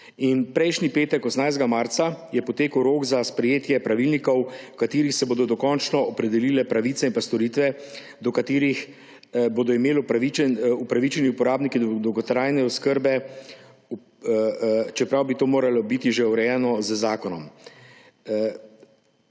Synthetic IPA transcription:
inpɾɛjʃnipeːt̪ɛkɔsnajzd̪ɡamaɾt̪sajɛpɔt̪eːkəwɾoːɡzaspɾɛjeːt̪jɛpɾaʋilnikɔwkat̪iːɾixsɛboːd̪ɔd̪ɔkɔnt͡ʃnɔɔpɾɛd̪ɛliːlɛpɾaʋiːt̪sɛinpast̪ɔɾit̪ʋɛ | d̪ɔkat̪iːɾix | boːd̪ɔimeːlpɾaʋiɛupɾaʋit͡ʃɛniupɔɾaːbnikid̪d̪ɔwɡɔt̪ɾaːjnɛɔskəɾbɛ | t͡ʃɛpɾawbit̪oːmoːɾalɔbit̪iʒeuɾɛjɛnɔzəzaːkɔnɔm

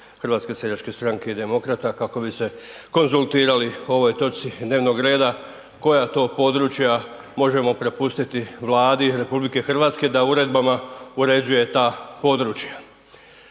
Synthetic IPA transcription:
xrʋaːt̪ske̞sed̪at͡ʃke̞st̪ɾaŋke̞id̪e̞mo̞kɾat̪akako̞bise̞ko̞nzulˠt̪iːɾalio̞ʋo̞jt̪o̞t̪sid̪ne̞ːʋno̞ɡɾe̞ːd̪a | ko̞jat̪o̞ːpo̞d̪ɾut͡ʃja | mo̞ʒe̞mo̞pɾe̞pust̪it̪iʋlˠaːd̪iɾe̞publike̞xrʋaːt̪ske̞d̪auɾe̞d̪bamauɾe̞d͡ʑuje̞t̪aːpo̞d̪ɾuːt͡ʃja

